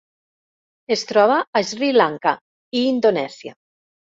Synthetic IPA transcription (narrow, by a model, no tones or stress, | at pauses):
est̪ɾɔβaːzrilaŋka | iːnd̪onɛsja̰